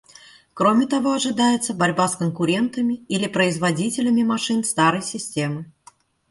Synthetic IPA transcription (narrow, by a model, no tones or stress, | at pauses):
kɾomʲɪt̪ɐvo̞ɐʐɨd̪ajɪt̪səbɐɾʲbaskənkʊɾʲe̞nt̪əmʲɪilʲɪpɾəɪzvɐdʲitʲɪlʲəmʲɪmɐʂɨnst̪aɾəjsʲɪsʲtʲemɨ